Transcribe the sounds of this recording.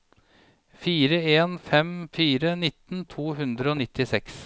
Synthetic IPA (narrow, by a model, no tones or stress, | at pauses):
fiːɾəeːnfɛmfiːɾənɪt̪nt̪ʰuːɦʉnd̪ɾəoːnɪt̪ːɪsɛks